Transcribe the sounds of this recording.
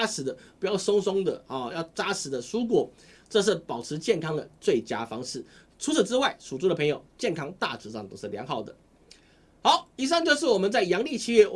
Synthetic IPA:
a˥sɻ̩˨˩d̪ə˦pu˧˨˩jɑ˥˩ʊso˥ŋsʊ˥ŋd̪ə̰˨ɔ˨˩jɑ˥˩ʊt͡sa˥sɻ̩˨˩d̪ə˦ʂu˥k̬wɔ˨˥ | ʈ͡ʂɤ˥˧ʂ̬̩˥˩pɑ˨˩ʊʈ͡ʂʰɻ̩˧˥t͡ɕjɛ˥˨nkʰɑ˥ŋd̪ə˨˩t͡swe˥˩ɪt͡ɕja̰˥fɑ˥ŋʂɻ̩˥˩ | ʈ͡ʂʰu˧˥t͡sʰə˨˩ʈ͡ʂɻ̩˥wa˥˩ɪʂu˨˩t͡su˥d̪ə˨pʰə˧ŋjo˨˩ʊt͡ɕjɛ˥˨nkʰɑ˥ŋt̪a̰˥˨ʈ͡ʂɻ̩˧˥ʂɑ˥˩ŋt̪o˨˩ʂ̩˥˩pi˨˩jɑ˥˩xɑ˨˩ʊd̪ə̰˦ | xɑ˧˥˦ʊi˧˥s̬a˥˧nt͡ɕjo˥˧ʊʂ̬ɻ̩˥˩wɔ˨˩mə˦nt͡sa˥˩ɪjɑ˧˥ŋli˥˧t͡ɕʰi˥˧jɛ˥˩˨

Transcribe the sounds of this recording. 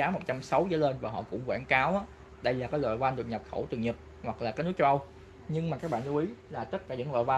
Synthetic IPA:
aː˨˦mo˨˩t̚t͡ɕa˧msə˨˦wzə̰˧˨˦le˧nvaː˨˩ɦɔ̰˧˨kʊ̰˧˥ŋ͡mkwaː˧˩nkaː˨˦wʔaː˨˦ | ɗə˧jlaː˨˩kaː˨˦jlɔ̰ː˧˨jkwa˧nɗɨ˨˩ək̚ɲa˨˩p̚xə˧˩wt̪ɨ˨˩ŋɲɨ˨˩k̚ | hwa˨˩k̚laː˨˩kaː˨˦jnɨ˨˦˥kt͡ɕə˧ʔə˧w | ɲɨ˧ŋmaː˨˩kaː˦˥k̚ɓa̰ː˧˨nlu˧ʔi˨˦laː˨˩t̪ə˦˥t̚kaː˧˩ɲɨ̰˧˥ŋlɔ̰ː˧˨wa˧

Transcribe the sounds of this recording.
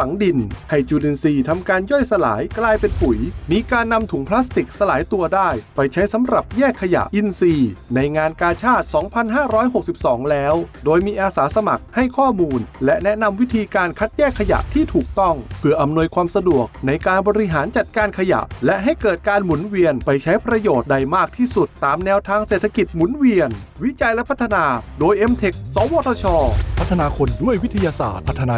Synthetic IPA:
fa˩˦ŋdi˧nha˥˩jt͡ɕuː˧di˧nsiː˧t̪ʰa˧mkaː˧njɔ˥˩jsa˧la̰ː˩˦jklaː˧jpe˧npu˨˩˦jmiː˧kaː˧nːa˧mt̪ʰu˨˩˦ŋpʰlaː˦˥st̪i˨˩k̚sa˧laː˩˦jt̪u˧ɐdaː˥˩jpa˧jt͡ɕʰa˦˥jsa˨˦mɾa˨˩p̚jɛː˥˩kʰːa˧ja̰˨˩ʔʔi˧nsiː˧na˧jŋaː˧nkaː˧t͡ɕʰaː˥˩t̪̚sɔː˩˦ŋpʰa˧nɦaː˥˩ɾɔː˦˥jɦho˨˩k̚si˨˩p̚sɔː˩˦ŋlɛː˦˥wdoː˧jmiː˧ʔaː˧saː˩˦sa˧ma̰˨˩k̚ha˥˩jkʰɔː˥˩muː˧nlɛ˦˥ʔnɛ˦˥ʔna˧mwi˦˥t̪ʰiː˧kaː˧nkʰa˦˥t̪̚jɛː˥˩kʰːa˧ja̰˨˩ʔt̪ʰiː˥˩t̪ʰuː˨˩k̚t̪ɔ˥˩ŋpʰɯ˧˩əʔa˧mnu˧əjkʰwaː˧msa˧du˨˩ək̚na˧jkaː˧nbɔː˧ɾi˧˥ɦaː˩˦nt͡ɕa˨˩t̪̚kaː˧nkʰa˧ja̰˨˩ʔlɛ˦˥ʔɦa˥˩jkɤː˨˩t̪̚kaː˧nmu˩˦nwi˧ənpa˧jt͡ɕʰa˦˥jpɾa˧joː˨˩t̪̚da˧jmaː˥˩k̚t̪ʰiː˥˩su˨˩t̪ːaː˨˩mnɛː˧wt̪ʰaː˧ŋseː˨˩t̪ʰːa˧ki˨˩t̪̚mu˩˦nwi˧ən | wi˦˥t͡ɕa˧jlɛ˦˥pʰa˦˥t̪ʰːa˧naː˧doː˧jʔe˧mt̪ʰe˨˩k̚sɔː˨˦wɔː˧t̪ʰɔː˧t͡ɕʰɔː˧pʰa˦˥t̪ʰːa˧naː˧kʰo˧ndu˥˩əjwi˦˥t̪ʰa˧jaː˧sa̰ː˨˩t̪̚pʰa˦t̪ʰːa˧na˧

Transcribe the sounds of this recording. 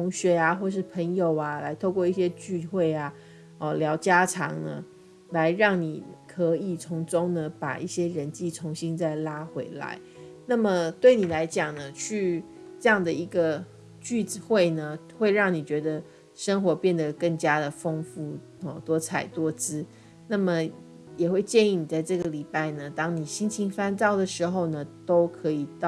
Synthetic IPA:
t̪ʰʊ˧˥ŋɕɥɛ˧˥a˧xwɔ˥˧ʂ̬ɻ̩˥˩pʰə˧˥ŋjo˨˩ʊa˦la˧˥ɪt̪ʰo˥˧ʊkwɔ˥˧i˥˩ɕjɛ˥t͡ɕy˥˧xwe˥˩ɪa˩ | ɔ˥˩ljɑ˧˥ʊt͡ɕja˥ʈ͡ʂʰɑ̰˧˥ŋnə̰˦ | la˧˦ɪɻɑ˥˩ŋni˨˩kʰɤ˧˥i˨˩t͡sʰʊ˧˥ŋʈ͡ʂʊ˥ŋnə˨pa̰˨˩ʔi˥˩ɕjɛ˥ɻə˧˦nt͡ɕi˥˩t͡sʰʊ˧˥ŋɕi˥nt͡sa˥˩ɪla˥xwe˧˥ɪla̰˧˦ɪ | na˥˩mə˨˩t̪we˥˩ɪni˨˩la˧˥ɪt͡ɕjɑ˨˩ŋnə˦t͡ɕʰy˥˧ | ʈ͡ʂɤ˥˧jɑ˥˩ŋd̪ə˩i˧˥ɡə˧ | t͡ɕy˥˧t͡s̩˨xwe˥˩ɪnə˩ | xwe˥˧ɪɻɑ˥˩ŋni˨˩t͡ɕɥɛ˧˥d̪ə˨ | ʂə˥ŋxwɔ˧˥pjɛ˥˩nd̪ə˩kə˥˩ŋt͡ɕja˥d̪ə˨fɤ˥ŋfu˥˩ | ɔ˨˩t̪wɔ˥t͡sʰa˨˩ɪt̪wɔ˥t͡sɹ̩˥ | na˥˩mə˨ | jɛ˨˩xwe˥˧ɪt͡ɕjɛ˥˧ni˥˩ni˨˩t͡sa˥˧ɪʈ͡ʂɤ˥˩ɡə˩li˨˩pa˥˩ɪnə˩t̪ɑ˥ŋni˨˩ɕi˥nt͡ɕʰi˧˥ŋfa˥nt͡sɑ˥˩ʊd̪ə˩ʂɻ̩˧˥xo˥˧ʊnə˩t̪o˥ʊkʰɤ˧˥i˨˩t̪ɑ˥˨

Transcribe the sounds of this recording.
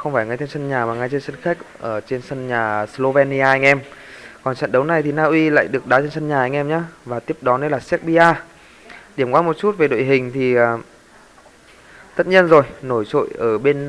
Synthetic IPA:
xə˧wŋ͡mfaː˧˩jŋa˧jt̪e˧nsə˧nɲaː˨˩maː˨˩ŋa˧jt̪e˧nsə˧nxa˦˥k̚ʔəː˧˩t͡ɕe˧nsə˧nɲaː˨˩slo˧vɛ˧ni˧aː˧ʔa˧ŋ̟ʔɛ˧mkɔ˨˩nt͡ɕa̰˧˨nɗə˨˦wna˨˩jt̪ʰi˨˩naː˧ʔwi˧la̰ː˧˨jɗɨ˨˩ək̚ɗaː˨˦t͡ɕe˧nsə˧nɲaː˨˩a˧ŋ̟ʔɛ˧mɲaː˧vaː˨˩t̪i˦˥əp̚ɗɔ˨˦ne˧laː˨˩sɛ˦˥k̚ɓi˧ʔaː˧ | ɗi˧˩əmkwaː˧mo˨˩t̚t͡ɕu˦˥t̚ve˨˩ɗo̰˧˨jɦï˨˩ŋ̟t̪ʰi˨˩ʔəː˨˩ | t̪ə˦˥t̚ɲi˧ənzo˨˩jno˧˩jt͡ɕo̰˧˨jʔəː˧˩ɓe˧n

